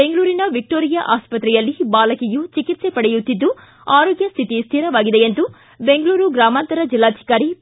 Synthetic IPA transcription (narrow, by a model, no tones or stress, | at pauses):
be̞ŋɡɐɭuːɾinɐʋik̚ʈoːɾijɐʔaːspɐt̪ɾɛjɐlːibaːlɐkijut͡ʃikit̪se̞pɐɽɛjut̪ːid̪ːu | aːɾoːɡjɐst̪ʰit̪ist̪ʰiːɾɐʋaːɡid̪eent̪u | be̞ŋɡɐɭuːɾuɡɾaːmaːnt̪ɐɾɐd͡ʒilːaːt̪ʰi̥kaːɾi